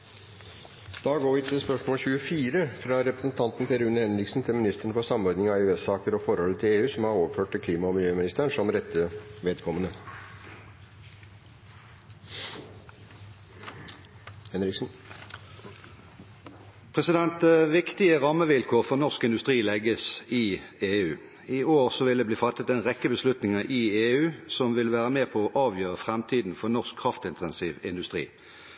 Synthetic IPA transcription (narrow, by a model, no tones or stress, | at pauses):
d̪̥ɑːɡoːʋɪt̪ʰɪlspœʂmoːlçʉːəfiːɾəfɾɑːɾɛpɾəsn̩t̪ʰɑnt̪n̩pɛɾʉnəhɛnɾɪksn̩t̪ʰɪlmɪnɪst̪əɾəɳəfɔsɑmɔɾd̪nɪŋɑɛʉɛsɑːkəɾɔfɔɾhɔlːət̪ʰɪleːʉːsɔmhɑːɾoːʋəɾføːʈ̚t̪ɪlkliːmɑɔmɪljøːmɪnɪst̪æːɳʂɔmɾɛt̪ːəʋeːd̪kʰɔmːənə | hɛnɾɪksn̩ | pʰʁɛsɪd̪ɛnt̪̚eʋɪkt̪ɪəʁɑməʋɪlkʰoːʁfɔʁnɔʁskɪnd̪ʉst̪ʁiːlɛɡəsɪeːʉː | iːoːʁsɔʋɪld̪eːbliːfɑt̪ːət̪eːnʁɛkːəbəslʉt̪nɪŋəʔɪeːʉːsɔmʋɪlʋæːʁəmeːpʰɔɔʔɑːʋjøːʁəfʁɛmt̪ʰiːd̪n̩fɔnɔʁskʰːʁɑft̪ɪnt̪ʰɛnsiːʋɪnd̪ʉst̪ʁḭː